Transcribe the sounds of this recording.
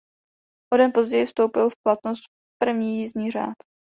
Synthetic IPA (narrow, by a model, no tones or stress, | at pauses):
hodɛnpo̞zɟɛjɪfst̪owpɪlfplat̪nost̪̚ | pr̩vɲiːjizɲiːr̝a̰ːt̪